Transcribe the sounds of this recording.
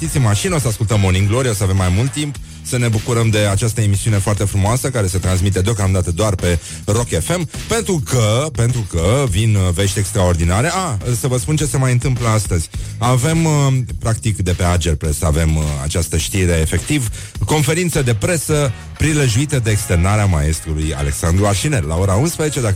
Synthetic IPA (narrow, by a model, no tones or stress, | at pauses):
ʃt̪it̪simmaʃinosəaskult̪əmoniŋɡloɾiosəave̞mːajmult̪ːimp | səne̞bukuɾəmd̪e̞at͡ʃast̪əe̞misiune̞foart̪e̞fɾumoasəkaɾe̞sət̪ɾans̬mit̪e̞d̪eo̞kamd̪at̪əd̪oarpe̞ | ro̞ke̞fe̞mpe̞nt̪ɾukəpe̞nt̪ɾukəvinve̞ʃt̪ʲe̞kst̪ɾao̞rd̪inaɾeasəvəspunt͡ʃe̞se̞majɨnt̪ɨmpləast̪əzʲave̞mpɾakt̪ikd̪e̞pe̞ard͡ʒelpɾe̞səa̰ve̞ma̰t͡ʃast̪əʃt̪iɾe̞ːfe̞kt̪iv | ko̞nfe̞ɾint̪səd̪e̞pɾe̞sə | pɾileʒuit̪əd̪e̞ːkst̪e̞rnaɾeamae̞st̪ɾuluja̰le̞ksand̪ɾuarʃinellao̞ɾaunspɾezet͡ʃe̞d̪a